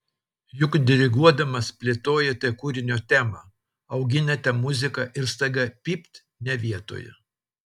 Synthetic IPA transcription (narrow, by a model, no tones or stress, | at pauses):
jʊkd̪ʲɪɾʲɪɡuɔd̪ɐmɐspʲlʲet̪oːjɛt̪ʲɐkuɾʲɪnʲoːt̪ʲæːmɐ | ɐʊɡʲɪnʲɛt̪ʲɛmʊzʲɪkɐʔɪɾst̪ɐɡʲɐpʲiːpʲt̪ʲ | nʲɛʋʲiɛt̪o̰ːjɛ̰